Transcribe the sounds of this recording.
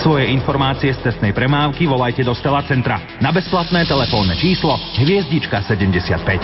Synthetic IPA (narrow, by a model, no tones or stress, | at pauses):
sʋɔjɛinfɔɾmaːt͡siɛst͡s̪ɛst̪nɛjpɾɛmaːʊkiʋɔlajcɛd̪ɔst̪ɛlat͡sɛnt̪ɾa̰ | nabɛsplat̪nɛːt̪ɛlɛfɔːnːɛt͡ʃiːslɔɦʋɪɛzɟit͡ʃkasɛɟɛmɟɛsɪa̰t̪̚pɛc